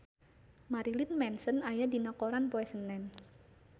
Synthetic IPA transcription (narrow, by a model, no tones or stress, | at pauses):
maɾilɪnmɛnsənajadinakoɾanpoɛsənːɛn